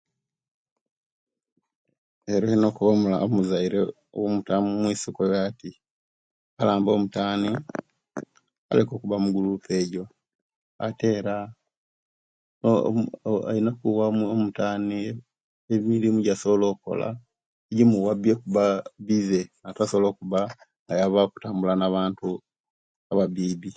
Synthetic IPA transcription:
eɾohinokuβamuaomuzaiɾe | o̰womutamumwiːsikojati | alaːmbo̞ːmutaːni | a̰leko̞ːkuβamuɡulupe̞ːɟo̞ | a̰te̞ːɾa | o̰ | a̰inakuwaomutaːni | emiɾimuɟasoβlo̞ːko̞̰la̰ | eɟimuwabjekuβaβize̞natasoβloːkuβa | ajaβaku̥taːmbulanaβaːntu | aβabiːβi

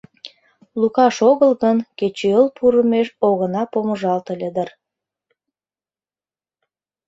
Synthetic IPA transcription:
lukɑʃoɣəlɣənket͡ɕeəlpʰuɾəmeʃoɣənɑpoməʒɑlt̪əlʲed̪ər

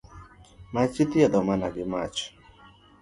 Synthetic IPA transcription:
mat͡ʃit̪iad̪ɔmanaɡɪmat͡ʃ

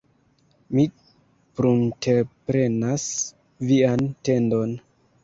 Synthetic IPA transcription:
mi | pɾuntʰepɾe̞nas | viante̞ndo̞n

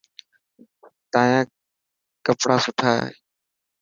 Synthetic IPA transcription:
t̪ãːjãː | kəpɽaːsʊʈʰaːɦḛː

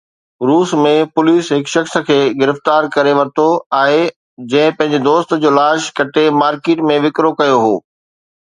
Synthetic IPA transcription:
ɾuːsmẽpʊliːsɦɪkʃɐxskʰeːɡɪɾɪft̪aːɾkɐɾeʋɐɾt̪ʰoaːɦe | d͡ʑɐ̃ɦɪ̃pɐ̃ɦɪ̃ɲd͡ʑed̪oːst̪̆d͡ʑoːlaːʃkɐʈemaːɾkeːʈmẽʋɪkɾokɐjoɦoː

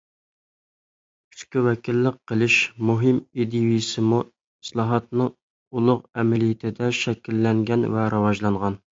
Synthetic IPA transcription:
kʲʰy̥skʲiwɛkʲʰilːɪqːəlˠɪʃmuɦɪmid̪ijujsɪmu | ɪslˠɑɦɑt̪nɨŋ | ulˠʊqɛmɪlijɪt̪ʰɪd̪ɛʃɛkʲilːɛŋɡʲɛnvɛɾʔɨwɑʒlˠɑɴʁɑn

